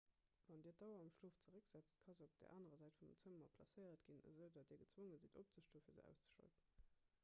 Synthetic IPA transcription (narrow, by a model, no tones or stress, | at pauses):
vɑndiːɐdɑʊɐɑmʃluːft͡səʁəkz̥æt͡stkʰɑzəop̚d̥ḛɐʔaːnəʁɐzæɪtfut͡səmɐpʰlɑ̰səjətɡ̥inə̰zəʊdɑtiːɐɡət͡swoŋənzintop̚t͡səʃtuːəfiːɐzə̰æ̰ʊst͡sə̥ʃɑ̰ltən